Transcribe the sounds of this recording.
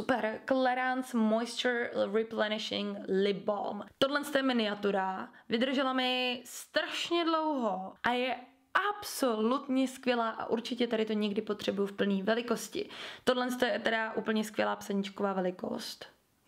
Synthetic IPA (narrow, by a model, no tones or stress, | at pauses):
upɛɾklɛɾansmojst̪ɾɪplɛnɪʃɪ̰ŋlɪbo̰lmt̪odlɛnst̪ojɛmɪnɪat̪uɾavɪd̪r̩ʒɛlamɪst̪ɾaʃɲɛdlowɦoʔajɛ | ʔapso̞lut̪ɲɛskvʲjɛlaːʔa̰ʔuɾt͡ʃɪcɛt̪aɾɪt̪o̞ɲɛɡdɪpot̪r̝̥ɛbujʊfpl̩niːvɛlɪko̞scɪ̰t̪odlɛnst̪ojɛɛt̪ɛdaʔuːpl̩ɲɛskʋjɛ̰laːpsaɲɪt͡ʃkovaːvɛlɪko̞̰st̪